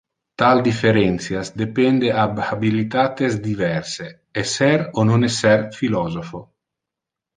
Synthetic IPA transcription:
t̪ald̪ifeɾɛnt̪sjasd̪epɛnd̪eababilit̪aːt̪ezd̪ivɛrse | ɛsːɛɾononɛsːɛrfilɔzofo

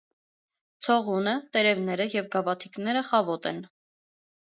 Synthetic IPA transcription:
t͡sʰɔʁunət̪ɛɾɛvnɛɾəjɛvɡɑvɑt̪ʰiknɛɾəχɑvɔt̪ɛ̰n

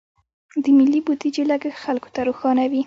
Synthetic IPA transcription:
d̪əmɪlːibud̪id͡ʒelaɡaxalko̥t̪aɾoxɑnawi

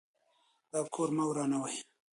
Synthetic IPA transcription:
d̪ɑːkʰoɾmawɾɑnawaj

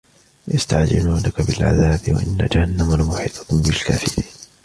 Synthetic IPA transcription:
jast̪aʕd͡ʒɪ̰luːnakabɪlʕa̰ðaːbɪwa̰ʔɪnːa̰d͡ʒahanːamalmʊħiːt̪ˤɑ̥kʊmbɪlkaːfɪɾiːn

